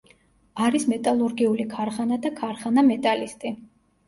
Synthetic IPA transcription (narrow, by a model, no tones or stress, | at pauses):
aɾismɛt̪ʼalˠuɾɡiulikʰaɾχanad̪akʰaɾχanamɛt̪ʼalist̪ʼi